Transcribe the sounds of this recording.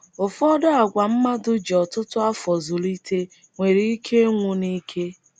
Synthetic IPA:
ʊ˨fɔ˦dʊ˦a˨ɡʷa˨m̩˦ma˦dʊ˦d͡ʒɔ˨tʊ˦tʊ˦a˦fɔ˨zʊ˨li˦tʰe˦ | ŋʷe˨ɾi˦i˦kʰe˦ŋʷʊ˦ni˦kʰe˦

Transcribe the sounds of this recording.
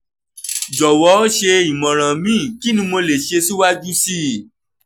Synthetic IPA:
d͡ʒɔ˨wɔ˨˦ʃe˧i˨mɔ̃˨ɾ̃ã˨mĩ˨˦˨ki˦nĩ˧mo˧le˨ʃe˧si˦wa˦d͡ʒu˦si˦

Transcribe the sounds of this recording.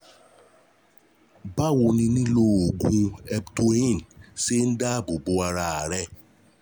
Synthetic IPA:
ba˦˨wo˧nĩ˧nĩ˦lo˦o˨ɡũ˧ɛ˧bto˧ĩ˦˨nse˦n̩˦da˦bo˨bo˨˦a˧ɾa˧a˨ɾɛ˧˨

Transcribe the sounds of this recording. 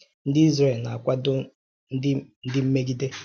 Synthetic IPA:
n̩˦dɪ˦i˦zɾe˨lna˨a˨kʷa˦dʊ˦ | n̩˦ɪ˦n̩˦dɪ˦m̩˦me˦ɡi˦de˦

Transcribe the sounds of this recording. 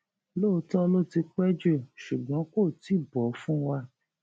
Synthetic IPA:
lo˦˧˦tɔ̃˦lo˦ti˧k͡pɛ˦d͡ʒe˦˨ʃu˨ɡ͡bɔ̃˨˦ko˦˨ti˨˦˨bɔ˨˦fũ˦wa˧

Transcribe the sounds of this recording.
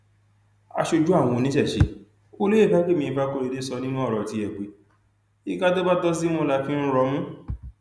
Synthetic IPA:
a̰˧ʃo˧d͡ʒu˦a˦˨w̃ɔ̃˧o˧nĩ˨˦ʃɛ˦˨ʃe˧˦ | o˦lo˦e˦˨ka˦ke˦˨mĩ˧i˧fa˦ko˧ɾe˨˧˨de˦sɔ˧nĩ˦m˦ɔ̃˦ɔ˦˨ɾɔ˨ti˧˦ɛ˨ɡ͡be˨˦ | i˦˨ka˦to˦ba˦tɔ˦s̬i˦mõ˦la˧fĩ˦ɾɔ˧˦mũ˦

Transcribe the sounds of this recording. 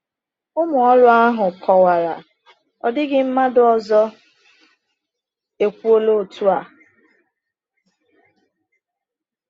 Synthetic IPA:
ʊ˦mʊ˨ɔ˦ɾʊ˦a˦ɦʊ˨kʰɔ˨wa˨ɾa̰˨ | ɔ̰˨dɪ˦ɡɪ˦m̩˦ma˦dʊ˦ɔ˨zɔ˦ | e˨kʷu˦o˦lo˦˨tʰu˦a˨

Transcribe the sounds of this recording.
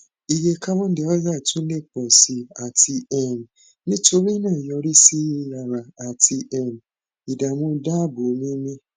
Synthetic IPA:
i˧je˧ka˦bɔ̃˦n˦ɛ˨˧˦ɔ˦za˦˨tũ˦le˦˨k͡pɔ˨si˧a˨tʰi˧ɛ˨m˨ | nĩ˦to˧ɾi˦nã˦˨jɔ˧ɾi˦si˦˧˦la˨ɾa˨a˨ti˧ʔɛ˨m˨ | i˨da˨mũ˦da˦˨bo˨˦mĩ˦mĩ˦

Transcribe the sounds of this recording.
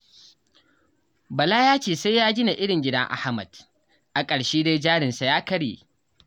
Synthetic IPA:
bɐ˨la˦jaː˦t͡ʃeː˨sa˦jaː˦ɡʲɪ˦na˨ʔɪ˦ɽɪ˨ŋɡʲɪ˦dɐ˦ŋʔa̰˦ha˦mɐ˨d̥ | ʔa˨kʼɐ˨ɽʃiː˦da˦d͡ʒaː˦ɽɪ˨nsa˨jaː˦kɐ˦ɽḛː˨

